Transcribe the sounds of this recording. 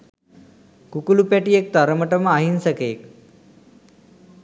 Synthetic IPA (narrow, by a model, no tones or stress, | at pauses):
kukulupjaʈiek̚t̪aɾəməʈəmaɦinsəkeːk̚